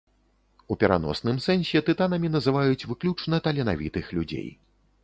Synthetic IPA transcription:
upʲɛɾa̰nɔ̰snɨmsɛnsʲɛt̪ɨt̪anɐmʲin̪ɐzɨvajut͡sʲvɨklʲut͡ʂnɐt̪ɐlʲɛna̰vʲḭt̪ɨxlʲud͡zʲḛj

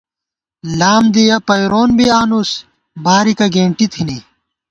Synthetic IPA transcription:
laːmd̪ijɐpɐjɾoːnbiaːnus | baːɾikɐɡeːɳʈit̪ʰini

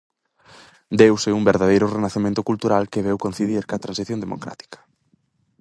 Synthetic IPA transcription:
d̪ewsɛumbeɾðaðejɾʊrenaθemẽnt̪ʊkult̪uɾalkeβɛwkõn̟θiðiɾkat̪ɾãnsiθjõnd̪emo̰kɾa̰t̪i̥kɐ̥

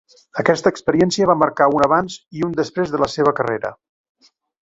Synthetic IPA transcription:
əkɛst̪əːkspəɾiɛnsiəβ̞aməɾkaunəβanziund̪əspɾezðələseβ̞əkəreɾə̰

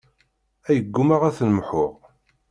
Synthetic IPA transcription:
æjəɡːumaʁæθnəmħʊʁ

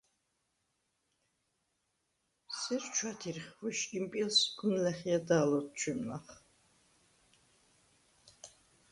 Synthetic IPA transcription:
sɛɾt͡ʃʰwat̪ʰiɾχvuʃimpʼilsɡunlɛχiad̪aːlɔt̪̚ʰt͡ʃʰwimnaχ

